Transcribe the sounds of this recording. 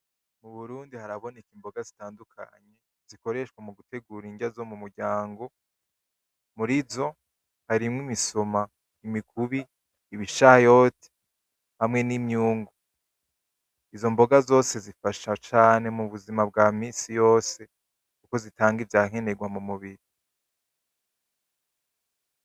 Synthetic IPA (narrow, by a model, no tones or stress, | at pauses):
muβuɾuːndihaɾaβo̞ne̞kiːmbo̞ɡazitaːndukʰa̰ɲe̞ | z̥iko̞ɾe̞ʃwamuɡute̞ɡuːɾiɲɟazo̞mumuɾɟaːŋɡo̞ | muɾizo̞ | haɾimŋimiso̞ma | imikʰuβiː | βiʃajo̞ːtʰi̥ | hamŋe̞nimɲuːŋɡo | izo̞mbo̞ɡazo̞ːse̞zifaʃat͡ʃaːne̞muβuzimab̚ɡaːmiːsijo̞ːse̞ | kuko̞zitaːŋɡivjaŋe̞ne̞ɡwamumuβiɾi